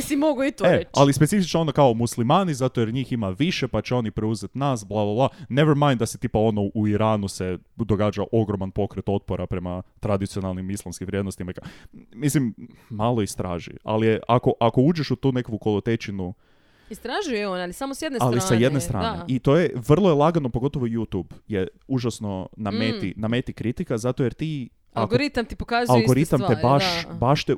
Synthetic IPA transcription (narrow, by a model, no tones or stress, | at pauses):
simoɡoit̪ealispe̞tsifit͡ʃnoo̞nokao̞muslimaːnizat̪ojeɾɲiːximaʋiʃe̞pat͡ɕeo̞nipɾeuzet̪nasblˠablˠablˠaneʋeɾmãjnd̪d̪aset̪iːpao̞noʔuiɾaːnuse̞d̪o̞ɡaːd͡ʒaʔo̞ɡɾo̞manpo̞kɾet̪o̞t̪̚poɾapɾe̞mat̪ɾad̪it̪sio̞nalˠnimislˠamskimʋɾjed̪nost̪imaikamislimmalˠoist̪ɾa̰ːʒḭa̰lijeʔako̞ʔako̞uːd͡ʒeʃut̪uːnekoʋukolˠot̪et͡ʃinu | ist̪ɾaʒujeonalisamosjed̪nealisaje̞d̪nest̪ɾʔa̰ːnneʔit̪o̞je̞ʋr̩lˠojelˠaɡano̞poɡo̞t̪o̞ʋojut̪ubje | uʒasno̞namet̪iname̞t̪ikɾit̪ikazat̪ojeɾt̪i | aɡɾit̪amt̪ipokazalˠɡoɾit̪amt̪ebaʃbaʃt̪e